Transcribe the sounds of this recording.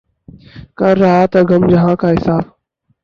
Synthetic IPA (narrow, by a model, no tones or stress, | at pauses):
kəɾːəɦaːt̪əɡəmd͡ʒəɦãːkʰaːɦɪsaːb